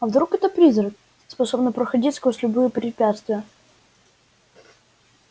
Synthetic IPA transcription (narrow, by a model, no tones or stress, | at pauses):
ɐvd̪ɾukɛt̪əpɾʲizrək̚ | spɐsobnəpɾəxɐdʲitʲskosʲlʲʊbɨjəpɾʲɪpʲat̪st̪vʲɪjə